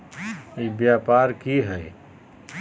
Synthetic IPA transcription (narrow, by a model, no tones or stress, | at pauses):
eːkbjaːpaːɾkiɦɛː